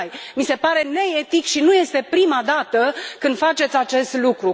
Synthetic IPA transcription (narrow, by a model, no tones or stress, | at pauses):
jmise̞paɾe̞ne̞et̪ikʃinuje̞st̪e̞pɾimad̪at̪əkɨnd̪fat͡ʃe̞t̪sʲat͡ʃe̞st̪lukɾu